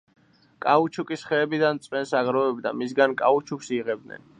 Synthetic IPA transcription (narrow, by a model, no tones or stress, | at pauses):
kʼaut͡ʃʰukʼisχɛːbid̪ant̪sʼwɛnsaɡɾɔɛbd̪a̰misɡankʼa̰ut͡ʃʰuksiʁɛb̚d̪nɛ̰n